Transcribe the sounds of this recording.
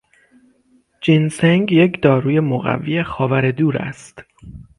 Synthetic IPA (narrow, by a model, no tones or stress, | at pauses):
d͡ʒinseŋɡje̞cd̪ɒːɾuːje̞moɣæ̰vːijexɒːvæɾed̪uːɾæ̰st̪